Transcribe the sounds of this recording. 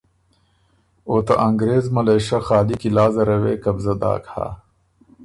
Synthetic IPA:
oːt̪ɐ̰ʔɐŋɡɾeːzmɐleːɕɐxaːlikilaːzɐɾɐwḛːkɐbzɐd̪a̰ːkha̰ː

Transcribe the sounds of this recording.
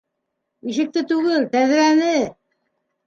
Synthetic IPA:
iʃɘ̆k̚t̪ɘt̪ʉɣɘlt̪æð̆ɾænɘ

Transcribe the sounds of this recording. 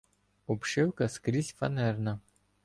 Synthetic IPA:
ɔpʃɪwkɐskɾʲizʲfɐ̰nɛrnɐ

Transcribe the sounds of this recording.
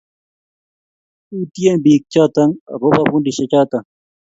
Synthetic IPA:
uːt̪ijebiːk̚t͡ɕaːt̪ɐŋɾobɐfunɖiɕɐt͡ɕaːt̪ɐ

